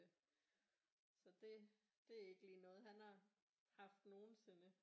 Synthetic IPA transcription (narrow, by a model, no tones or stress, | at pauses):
sɒ̽d̥e̝ | d̥e̝æe̝ɡ̥əliːnɔ̽ːð̞̩ˠɦænhɑ̈ | hɑ̈fd̥no̝ːn̩se̝nə